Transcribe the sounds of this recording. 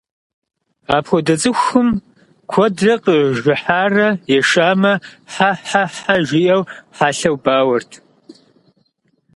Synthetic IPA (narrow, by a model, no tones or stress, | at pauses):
aːpʰxʷɔdɐt͡sʼɨxʷʊm | kʷʰɔdrɐqʼəʒɪħaːrɐjɛʂaːmɐħaħaħaʒijʔɐwħaːɬɐwbaːwɐrtʰ